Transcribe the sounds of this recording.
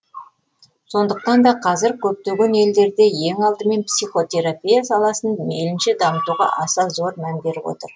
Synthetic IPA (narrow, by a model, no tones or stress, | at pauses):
so̞nd̪əq̚t̪ɑnd̪ɑqʰɑzɪɾkʲʰɵp̚t̪e̞ɡʲe̞ne̞ld̪e̞ɾd̪e̞je̞ŋɑlˠd̪əme̞npsijχo̞t̪e̞ɾapʲijasɑlˠɑsənmḛlɪnʃɪd̪ɑmət̪uʁɑ̰ʔɑsɑzo̞ɾmænbe̞ɾɪbwo̞̰t̪əɾ